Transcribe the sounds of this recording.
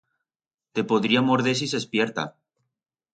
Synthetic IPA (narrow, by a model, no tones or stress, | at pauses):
t̪e̞poðɾiamoɾðes̬isespjeɾt̪a̰